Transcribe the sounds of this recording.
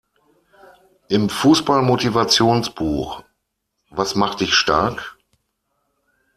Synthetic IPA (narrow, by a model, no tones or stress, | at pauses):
ʔɪmfuːsb̥almotivat͡sjoːnsb̥uːx | vasmaχt̚d̥ɪçʃta̰ɐk